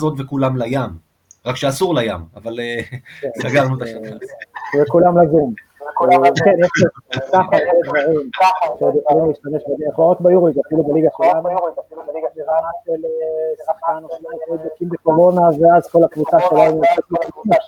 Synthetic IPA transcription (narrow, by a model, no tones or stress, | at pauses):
zot̪vekulamlajam | ʁakʃeasuʁlajamavaleensaɡaʁnut̪aʃaavekulamlazum | ekenjeʃlikaχabed̪vaʁimʃeod̪jeχolimuliːʃt̪ame̞ʃbebeeχlaot̪bajuʁliɡafilubeliɡaʃelamajuʁlidafilubeliɡaʃevanaʃeleʁaχanaχlanimobokimbeko̞ʁo̞naveazko̞lakvut͡saʃelaunt͡set̪lititi